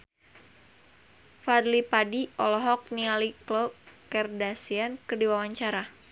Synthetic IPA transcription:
fadlipadiʔɔlɔɦɔk̚nialiklokɛrdasiankərdiwawaɲt͡ʃaɾa

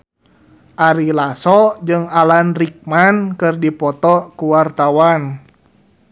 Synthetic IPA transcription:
ʔaɾilasɔd͡ʒɨŋalanrik̚mankɨrdipɔt̪ɔkuwart̪awan

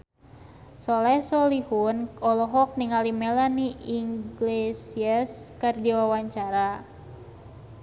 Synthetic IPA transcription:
sɔlɛhsɔlihunɔlɔɦɔk̚niŋalimelaniʔiŋɡlesiaskardiwawaɲt͡ʃaɾa

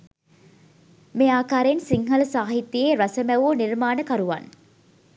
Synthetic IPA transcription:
meːaːkaːɾensiŋɦələsaːɦit̪ːieːɾɐsəmæʋoːnirmaːnəkaɾuʋa̰n

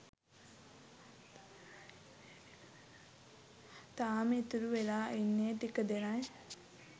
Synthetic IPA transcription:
t̪aːmet̪uɾuʋelaːʔinːeːt̪ikəd̪enaj

